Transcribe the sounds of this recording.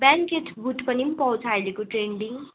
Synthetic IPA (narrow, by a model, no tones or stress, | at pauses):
baŋket̪ʰbʱuʈpʌnipʌũt͡sʰajlekoʈɾeɳɖiŋ